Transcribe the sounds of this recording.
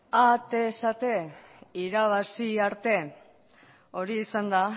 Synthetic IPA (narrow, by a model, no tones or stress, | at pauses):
at̪esat̪e̞iɾaβ̞asiaɾt̪e̞ | o̞ɾiːsand̪a